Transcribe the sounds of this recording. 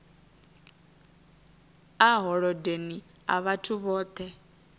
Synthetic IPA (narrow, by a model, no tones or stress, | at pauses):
aɦɔɺɔdeni | a̰βatʰuβɔːt̪ʰɛ